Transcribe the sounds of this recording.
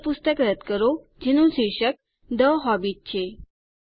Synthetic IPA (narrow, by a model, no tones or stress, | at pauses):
pust̪əkɾət̪kəɾo | d͡ʑinũsiɕək̚ | d̪əɦɔbiːt̚t͡ɕʰe